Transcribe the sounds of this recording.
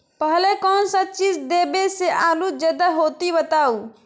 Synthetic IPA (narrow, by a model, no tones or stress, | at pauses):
pəɦlekɔːnsət̪̚t͡ʃiːd͡ʒd̪eːbeseʔaːlud͡ʒəd̪aɦoːt̪ibət̪aːuː